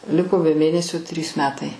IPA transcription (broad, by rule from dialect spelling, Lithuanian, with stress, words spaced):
ˈlʲɪkoː bʲɛ ˈmʲeːnʲɛsʲoː tʲrʲiːs ˈmʲæːtɐɪ